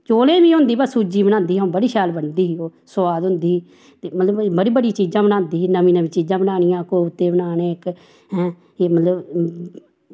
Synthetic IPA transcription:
t͡ʃoːlẽːbiːɦʊ̃nd̪iːbəsuːd͡ʒiːbənãːnd̪iːɦõːbəɽiːʃaːlbənd̪iːɦiːoːsʊaːd̪ɦʊnd̪iː | t̪eːmət̪ləbbəɽiːbəɽiːt͡ʃiːd͡ʒãːbənãːnd̪iːɦiːnəʋĩːnəʋĩːt͡ʃiːd͡ʒãːbənaːnɪjãːkoːʊt̪ːẽːbənaːneːɪk | ɦɛ̃ː | eːmət̪ləb

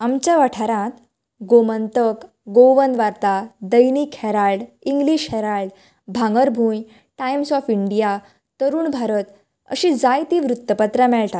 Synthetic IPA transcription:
amt͡ɕjaʋaʈʰaɾãt̪ | ɡomənt̪ək | ɡoʋənd̪ʋaɾt̪ad̪əjnikhɛɾaɭɖiŋɡliːɕhɛɾaɭɖ | bʱãŋɡəɾbʱuːj | ʈajmsɔfiɳɖija | t̪əɾuːɳbʱaɾət̪ | ə̰ɕĩd͡zajt̪iːʋɾut̪ːəpət̪ɾamɛɭʈat̪

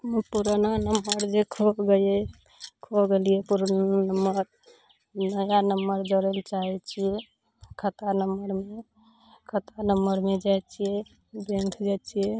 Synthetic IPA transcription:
mpuɾnanəmːəɾd͡ʒekʰoɡeɛ | kʰoɡelijepuɾnanəmːəɾ | nəjanəmːəɾd͡ʒəɾəlt͡ʃaɦɛt͡ʃʰijɛ | kʰət̪anəməɾme | kʰət̪anəməɾmed͡ʒajt͡ʃʰijɛ | beŋkʰd͡ʒat͡ʃʰijɛ

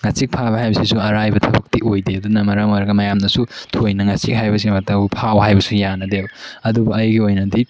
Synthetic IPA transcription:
ŋat͡ʃik̚pʰabɐɦajbɐsisuɐɾajbɐtʰɐbɐk̚tiʔojdeɐdunɐmɐɾamojɾɐɡɐmɐjamnɐsutʰojnɐŋasik̚hajbɐsimɐtɐwpʰawhajbɐsujanɐdewɐdubɐɐjɡiojnɐdi

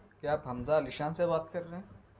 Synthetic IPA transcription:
keaːpɦɐmzalɪʃãːsebaːt̪̚kɐɾːeɦɛ̃ː

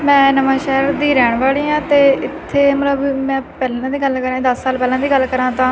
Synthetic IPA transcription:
mɛ̃ːnəʋãːʃɛːɾd̪iːɾɛːɳ̃ʋaːliːãːt̪eːɪt̪ʰːeːmət̪ləbmɛ̃ːpɛːlãːd̪iːɡəlkəɾãːd̪əssaːlpɛːlãːd̪iːɡəlkəɾãːt̪ãː

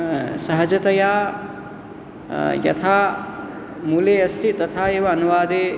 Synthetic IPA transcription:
sɐɦɐd͡ʒɐt̪ɐjaː | jɐ̰t̪ʰaː | muːleːɐst̪ʰit̪ɐt̪ʰaːeːʋɐːnuʋaːd̪eː

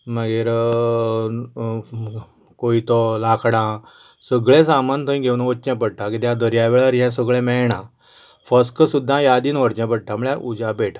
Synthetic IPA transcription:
məɡeɾ | koit̪ɔlakʰɽã | səɡɭɛ̃samant̪ʰəĩɡʱewnoːt͡ɕɛ̃pəɽʈ̪akit̪jãd̪əɾjaʋɛɭaɾiɦɛ̃səɡɭɛ̃mɛɭɳã | fəskəsud̪ʱːãjad̪iːnʋəɾt͡ɕɛ̃pəɽ̚ʈ̪aməɭjaʔud͡ʑabeʈʰa

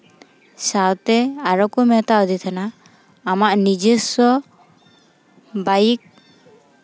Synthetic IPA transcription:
sawt̪ɛaɾɔkumɛt̪aɔd̪ʱit̪ʰanaː | maʔnid͡ʒesɔ | bajik̚

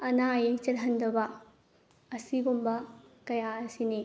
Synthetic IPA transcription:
ɐnaːjet͡ʃɐdɦɐnd̪ɐbɐ | ɐsiɡumbɐkɐjaɐsini

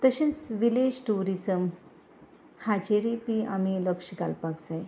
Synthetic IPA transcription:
t̪əɕə̃nsʋiled͡ʑʈuɾizəm | had͡ʑeɾipiamiləkɕɡalpaɡd͡zaj

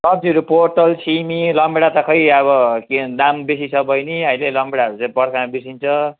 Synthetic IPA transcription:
sʌb̚d͡ziʌɾuporʈʌlsimilʌmbeɽat̪ʌkʰʌjʌβʌkd̪ambesit͡sʰʌbʌjniɦʌjlelʌmbeɽaʌɾut͡sãĩpʌɾkʰanabisint͡sʰʌ

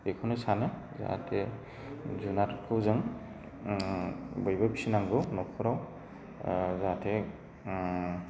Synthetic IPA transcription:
ekʰɔnɯsanɯ | za̰a̰tʰe | zunatkʰɯwzɯŋ | bɯjbabisinaŋɡɯwnɔkʰɔɾaw | zatʰe

